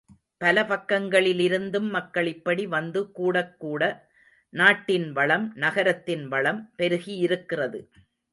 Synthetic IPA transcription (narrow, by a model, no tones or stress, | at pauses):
pɐlɐpɐkːɐŋɡɐɭɪlɪɾɯnd̪ɯmːɐkːɐɭɪpːɐɽiʋɐnd̪ɯkuːɽɐkːuːɽɐ | naːʈːɪnʋɐɭɐmnɐɣɐɾɐt̪ːɪnʋɐɭɐmpɛɾɯɣiɪɾɯkːɪrɐðɯ